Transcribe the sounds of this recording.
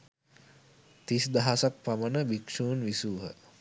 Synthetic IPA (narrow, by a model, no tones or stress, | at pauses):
t̪isd̪aɦasak̚pamənəbikʂuːnʋisuːɦə̰